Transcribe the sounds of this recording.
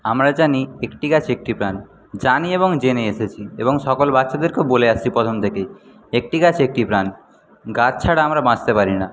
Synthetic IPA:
amɾad͡ʑaniekʈiɡat͡ɕʰek̚ʈipɾan | d͡ʑanieβoŋd͡ʑeneeʃet͡ɕʰieboŋʃɔkolbatːʃʰad̪eɾkeoboleaʃt͡ɕʰipɾɔt̪ʰomt̪ʰeke | ek̚ʈiɡat͡ɕʰek̚ʈipɾan | ɡat͡ɕt͡ɕʰaɽaamɾabãd͡ʑt̪epaɾina

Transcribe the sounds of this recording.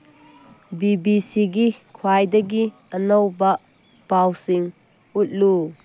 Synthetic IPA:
bibisiɡikʰwajdɐɡi | ənowbɐ | b̥awsiŋ | ut̚lu

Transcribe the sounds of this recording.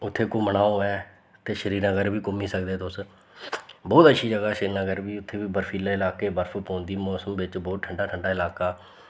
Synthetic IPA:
ʊt̪ʰːeːkoːmənaːoːɛː | t̪eːʃəɾiːɾãːɡəɾbiːkʊmiːsəkd̪eːt̪ʊs | bɔːt̪əʃʰiːd͡ʒəɡaːʃəɾiːɾãːɡəɾbiːʊt̪ʰːeːbiːbəɾfʰiːlaːɪlaːkeːbəɾfʰpõːnd̪iːmɔːsəmʋɪt͡ʃbɔːt̪̚ʈʰəɳɖaːʈʰəɳɖaːɪlaːkaː

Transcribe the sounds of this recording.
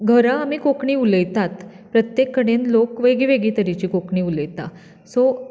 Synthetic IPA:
ɡʱəɾaːmiːkokɳiːuləjt̪at̪ | pɾət̪jekːəɽẽnlokʋeɡiʋeɡit̪əɾit͡ɕiːkokɳiːuləjt̪a̰ | so

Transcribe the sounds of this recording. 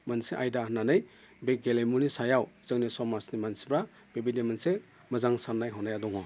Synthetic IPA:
manseʔajdaɦnanɯj | beɡelejmunisajawz̥ɯŋnisɔmasnimansi̥bɾa | b̥ebidimanse | mɐzaŋsanːajɦɔnajadɔŋɔ

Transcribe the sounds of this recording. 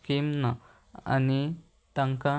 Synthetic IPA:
kimna | a̰ni | t̪aŋka

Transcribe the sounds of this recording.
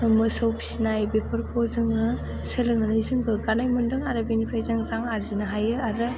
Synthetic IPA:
ɯmɯsawpi̥sinajbepʰɯɾkʰozɯŋɯ | selɯŋnɯnɯjzɯŋɡɯɡanajmɯndɯŋaɾɯbenipʰɾajzɯŋɾaŋaɾzinɯɦajɯaɾɯ

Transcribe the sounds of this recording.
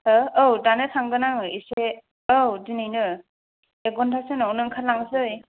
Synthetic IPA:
hɯowdanɯtʰaŋɡɯnaŋɯise | owdinɯjnɯ | eɡɔntʰasɯnɔwnɯŋkʰalaŋsɯj

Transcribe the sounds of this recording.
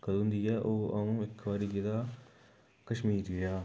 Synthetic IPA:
kəd̪nd̪iːɛːʔoːaũːɪkʋaːɾiːɡeːd̪aː | kəʃmiːɾeaː

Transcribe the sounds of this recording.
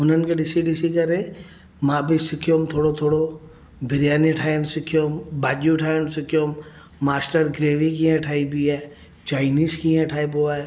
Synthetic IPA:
ʊnənɪ̆kʰeɖɪsiɖɪsikɐɾe | mãːbɪsɪkʰijoːmt̪ʰoːɽot̪ʰoːɽo | bʱɪɾjaːniʈʰaːəñsɪkʰijoːmbaːʄuʈʰaːensɪkʰjoːmː | aːsʈəɾɡɾeːʋikĩːẽʈʰaːibiɛː | t͡ʃaːɪniːskiẽʈʰaːiboaːe

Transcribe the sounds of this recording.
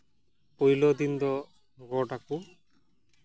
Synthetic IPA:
pojlɔd̪ind̪ɔ | ɡɔʈaku

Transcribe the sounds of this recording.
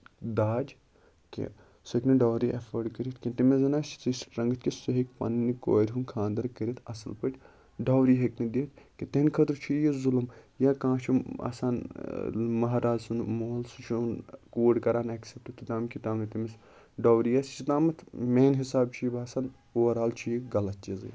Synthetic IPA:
d̪aːd͡ʒ | kḛ̃ | sɐkniɖaːwɾiʔɐfəɾɖkəɾit̪kit̪imezɐnaːʃt͡ʃʰi̥t͡sisʈɾɐŋɡɨt̪̚ʰkisuɦekpɐ̰nːniko̰ːɾʲɦunkʰãːnd̪ɐɾkəɾit̪ʰɐsɐlpəʈʲ | ɖaːwɾiɦeknid̪eːt̪ʰkit̪enkʰɐt̪ɾt͡ʃʰijezulɐmjakãːt͡ʃʰua̰ːsaːn | mɐɦɾaːzsunmoːlsut͡ʃʰunkuːɖkɐɾaːnɐksep̚t̪ut̪ʰit̪aːmkʲit̪aːmnit̪imis | ɖoːwɾijast͡ʃʰit̪aːmɐt̪ʰmeːnɦisaːbt͡ʃʰijibaːsaːn | uːɐɾaːlt͡ʃʰijikɡɐlɐt̪̚t͡ʃizɨ̰

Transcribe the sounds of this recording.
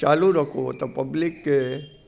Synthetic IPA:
t͡ʃaːluɾɐkʰot̪opɐblɪkːe

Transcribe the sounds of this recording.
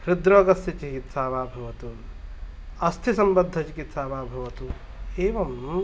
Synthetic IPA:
hɾɪd̪ɾokɐsit͡ʃikit̪saːβaːbʱɐʋɐt̪u | ɐst̪ʰisɐmbəd̪ʱːɐt͡ʃikit̪saːbaːbʱɐʋɐt̪u | eːʋɐm

